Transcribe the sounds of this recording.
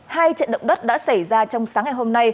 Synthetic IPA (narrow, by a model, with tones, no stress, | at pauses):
haː˧jt͡ɕə̰˧˨nɗə̰˧˨wŋ͡m̚ɗə˦˥t̚ɗa̰ː˧˥sa˧˩jzaː˧t͡ɕɔ˧wŋ͡msaː˨˦ŋːa˨˩jɦo˧mna˧j